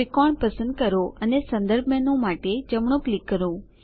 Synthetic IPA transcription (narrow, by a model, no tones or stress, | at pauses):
ɪkɔɳpəsə̃nd̪̚kəɾoənesə̃nd̪əɾbʱmjanõmaʈed͡ʒəmɳ̃õklikːəɾũ